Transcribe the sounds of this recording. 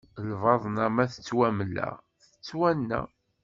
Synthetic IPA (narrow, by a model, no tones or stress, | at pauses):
lvɑðˤnæmæθə̥t͡sːwæməlːæ̰ | θə̥t͡sːwænːæ̰